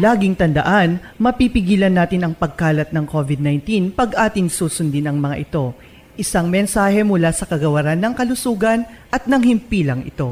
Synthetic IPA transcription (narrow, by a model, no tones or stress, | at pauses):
laːɡɪŋt̪ɐnd̪ɐ̰ʔanmɐpipɪɡiːlɐnːaːt̪ɪnɐŋpɐɡ̚kaːlɐt̪̚nɐŋko̞vɪd̪̚najnt̪inpɐɡʔaːt̪ɪŋsuːsʊnd̪inɐŋmɐŋa̰ʔɪt̪o̞ | ʔɪsaŋmɛnsaːhɛmʊlasɐkɐɡɐwɐɾanːɐŋkɐlʊsuːɡɐnʔɐt̪̚nɐŋhɪmpiːlɐŋʔɪ̰t̪o̞